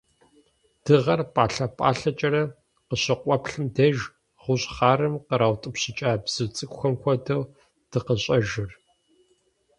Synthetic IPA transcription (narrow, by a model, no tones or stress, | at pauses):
d̥ɨʁɐrpʼaːɬɐpʼa̰ːɬɐt͡ʃʼɐɾɐ | qəɕɪqʷʼɔpɬɨmdɐʒ | ʁʷʊɕʼχaːrɨmqəɾawtʼɨpɕɪt͡ʃʼaːbz̥ɨt͡sʼɨkʷxʷɐmkʷʰɔdɐw | d̥ɨqəɕʼɐʒɪr